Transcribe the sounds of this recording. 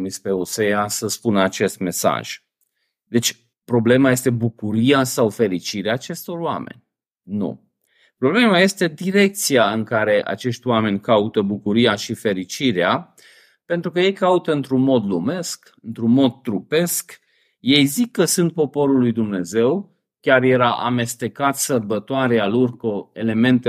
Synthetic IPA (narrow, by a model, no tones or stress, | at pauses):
mispe̞osejasəspunəat͡ʃe̞st̪me̞sa̰ʒ̥ | d̪e̞t͡ʃʲ | pɾo̞ble̞maje̞st̪e̞bukuɾiasawfe̞ɾit͡ʃiɾeaːt͡ʃe̞st̪o̞rwa̰me̞̰nʲ | nṵ | pɾo̞ble̞maje̞st̪e̞d̪iɾe̞k̚t̪sijaɨŋkaɾe̞ʔa̰t͡ʃe̞ʃt̪ʲwame̞nʲkaut̪əbukuɾiaʃife̞ɾit͡ʃiɾea | pe̞nt̪ɾukəje̞jkaut̪əɨnt̪ɾunmo̞d̪lume̞sk | ɨnt̪ɾunmo̞d̪̚t̪ːɾupe̞sk | je̞jzikːəsunt̪̚po̞po̞ɾulːujd̪umne̞ze̞w | kʲarje̞ɾaʔa̰me̞st̪e̞kat̪sərbət̪oaɾealorkoe̞le̞me̞nt̪e